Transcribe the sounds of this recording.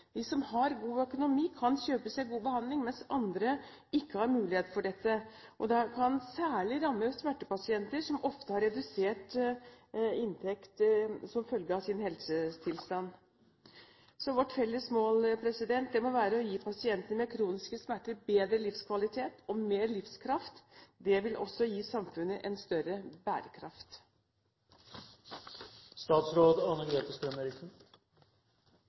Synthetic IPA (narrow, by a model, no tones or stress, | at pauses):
d̪isɔmhɑɾɡuːœkʊnʊmiːkʰɑnçøːpəsæɪɡuːbəhɑnd̪lɪŋmɛnsɑ̰nd̪ɾə | ɪkːəhɑɾmʉːlɪheːt̪fɔɖɛt̪ːəʔɔd̪ɑkʰɑnsæːɭɪɾɑmːəsmæʈːəpɑsɪɛnt̪əɾʂɔmʔɔft̪əhɑɾɛd̪ʉseːʈ | ɪnt̪ʰɛkt̪sɔmfœlɡəɑsɪnhɛlsət̪ʰɪlst̪ɑnː | sɔʋɔʈfɛlːəsmoːlpʰɾɛsɪd̪ɛnt̪̚d̪ɛmɔʋæːɾəɔjiːpʰɑsɪɛnt̪ənəmɛkʰɾuːnɪskəsmæʈːəɾbeːd̪ɾəlɪfskʰʋɑlɪt̪ʰeːt̪ɔmeːɾlɪfskʰɾɑft̪d̪ɛʋɪlʔɔ̰sːɔjiːsɑmfʉnːəʔɛnst̪œɾəbæ̰ːɾəkʰɾɑft̪ | st̪ɑːt̪sɾoːd̪ɑnəleːt̪əst̪ɾøːnəɾɪkt̪n